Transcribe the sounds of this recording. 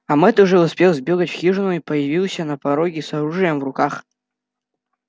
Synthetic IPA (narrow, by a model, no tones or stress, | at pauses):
ɐmɛt̪ʊʐɛʊspʲelˠzbʲeɡətʲfxʲiʐɨnʊʊipəjɪvʲilˠsʲənɐpɐɾoɡʲɪsɐɾuʐɨjəmvrʊkax